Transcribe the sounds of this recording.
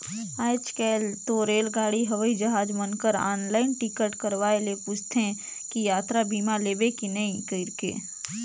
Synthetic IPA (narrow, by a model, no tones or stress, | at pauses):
aːt͡ʃkɛːlt̪oɾeːlɡaːɽiɦɐʋəid͡ʒəɦaːd͡ʒmənkəɾa̰ːnlaːɪnʈikəʈkəɾʋaːelepuːt͡ʃʰt̪ʰẽ | kijaːt̪ɾabʱiːmaleːbekinɐĩkəɪɾkḛː